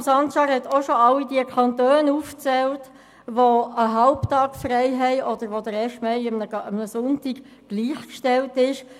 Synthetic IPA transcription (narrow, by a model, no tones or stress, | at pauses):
sɑntʃɑɾhɛt̪oʃoɑlidiəkʰɑntøːnuːft͡sɛlt | ʋoəɦɑlptɑːkfrɛɪɦɛɪʔɔd̪̥əɾʋod̥̪əɾɛːʃtmɛɪɪmnəəmnəsʊntiɡ | ɡ̥liːχkʃtɛltɪʃ